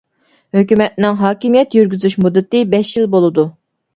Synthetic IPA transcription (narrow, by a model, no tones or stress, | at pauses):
høkʲymɛt̪̚nɪŋɦɑːkʲimijɛt̪jyɾɡʲyzyʃmud̪ːɨt̪ɨbɛʃjilbolˠɨd̪u